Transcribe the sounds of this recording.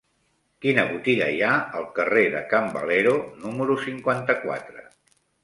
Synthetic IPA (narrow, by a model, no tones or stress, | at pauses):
kinəβut̪iɣə̰jaəlˠkəreðəkambə̰leɾonuməɾusiŋkwant̪əkwa̰t̪ɾə